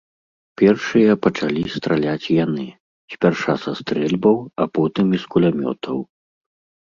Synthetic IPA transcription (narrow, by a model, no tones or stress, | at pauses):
pʲɛrʂɨjɐpɐt͡ʂalʲist̪ɾalʲat͡sʲjanɨ | sʲpʲarʂasast̪ɾɛlʲbɐwapɔt̪ɨmiskulʲamʲɔ̰t̪ʰɐw